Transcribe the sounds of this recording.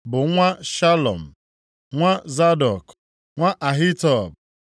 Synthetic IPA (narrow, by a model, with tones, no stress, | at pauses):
bʊ˨ŋʷa˦ʃa˦lɔ̰˨m̩˨ | ŋʷa˦za˦dɔ˨k | ŋʷa˦ʔa˨ɦi˦tɔ˦˨b̚